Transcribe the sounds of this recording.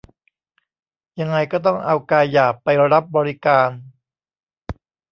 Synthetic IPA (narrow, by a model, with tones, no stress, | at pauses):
ja˧ŋːa˧jkɔː˥˩t̪̬ɔ˥˩ŋʔa˧wkaː˧jːaː˨˩k̚pa˧jɾa˦˥p̚bɔː˧ɾi˦˥kaː˧n